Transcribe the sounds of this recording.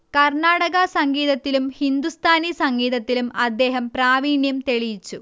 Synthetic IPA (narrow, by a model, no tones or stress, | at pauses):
kɐrɳaːɽɐɣɐsɐŋɡiːðɐt̪ːilumhind̪ust̪ʰaːnisɐŋɡiːðɐt̪ːilumɐd̪ːe̞ːɦɐmpraːʋiːɳjɐmt̪e̞ɭijit͡ɕːu